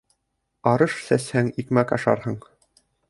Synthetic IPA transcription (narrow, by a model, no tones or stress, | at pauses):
ɑɾɤʃsæshæŋikmækɑʃɑ̰ɾhɤɴ